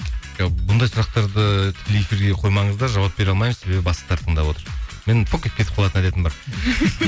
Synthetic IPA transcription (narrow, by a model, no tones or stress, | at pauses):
ʒobʊnd̪ɑjsʊɾɑqt̪ɑɾd̪ət̪ʰɪ̥elijefiɾɡʲe̞qʰo̞jmɑɴəzd̪ɑɾʒɑwɑp̚be̞ɾɑlˠmɑjməzse̞be̞bɪbɑsə̥t̪ʰɑɾt̪ʰəɴd̪ɑpwo̞t̪əɾme̞nfokʲet̪̚kʲʰeɪp̚qʰɑlˠɑt̪ənæd̪e̞t̪ɪnbɑɾ